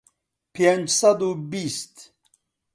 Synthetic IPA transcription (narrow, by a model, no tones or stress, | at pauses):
pʰend͡ʒsɐd̪ubist̪